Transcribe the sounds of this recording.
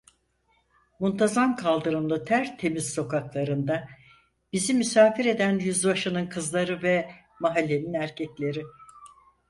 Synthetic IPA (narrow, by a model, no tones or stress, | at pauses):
munt̪ʰazamkʰalˠd̪ɯɾɯmlˠɯt̪ʰæɾt̪ʰe̞mizso̞kaklˠaɾɯnd̪a | b̥izimysaːfiɾe̞d̪ænjyzbaʃɯnɯnkʰɯzlˠaɾɯvɛ | maɦalʲːe̞ninæɾcʰɛclʲe̞ɾɪ